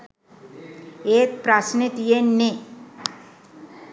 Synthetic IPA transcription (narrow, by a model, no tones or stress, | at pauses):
eːt̪̚pɾasnet̪ijenːe